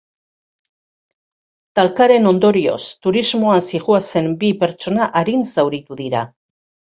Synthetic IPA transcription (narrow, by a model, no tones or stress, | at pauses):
t̪alkaɾe̞no̞nd̪o̞ɾio̞̰st̪uɾizmo̞ansiɣuase̞mbipe̞ɾt͡ʃo̞naʔaɾinzawɾit̪uðiɾa